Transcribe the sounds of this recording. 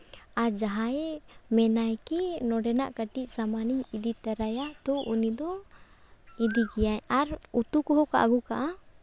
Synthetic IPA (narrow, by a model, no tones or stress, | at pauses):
aɾd͡ʒaɦãɛmɛnajkɛnɔɖɛnaʔkəʈiʔ̚samaniɲid̪it̪əɾajat̪ɔʔunid̪ɔ | id̪iɡɛjaɛaɾut̪ukɔɦɔka̰ʔɡukaʔa